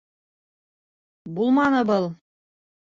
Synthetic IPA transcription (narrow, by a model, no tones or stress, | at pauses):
bulˠmɑnɤbɤlˠ